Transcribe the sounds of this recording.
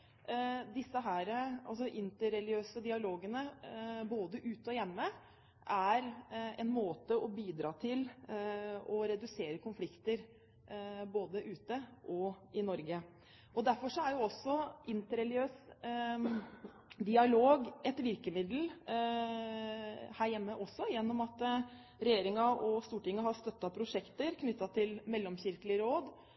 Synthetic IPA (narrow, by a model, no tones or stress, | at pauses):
d̪ɪsːəɦæːɾəɑ̰lsɔʔɪnt̪əɾɛlɪøːsəd̪ɪɑloːɡənəboːd̪əʔʉːt̪əɔjɛmːə | ʔæɾɛnmoːt̪əʔɔbiːd̪ɾɑːt̪ʰɪl | ɔɾɛd̪ʉseːɾəkʰʊnflɪkt̪əɾ | boːd̪əʔʉːt̪əʔɔʔɪnɔɾɡə | ɔd̪æɾfɔʂɔæjʊɔsːɔʔɪnt̪əɾɛlɪøːs | d̪ɪɑloːɡɛt̪ʋɪɾkəmɪd̪l̩ | hæːɾjɛmːəʔɔsːɔjɛnːɔmɑt̪ | ɾɛjeːɾɪŋɑʔɔst̪uːʈɪŋːəɦɑɾst̪œt̪ːɑpʰɾʊʂɛkt̪əɾkʰnʏt̪ːɑt̪ʰɪlmɛlːɔmçɪɾkəlɪɾoːd̪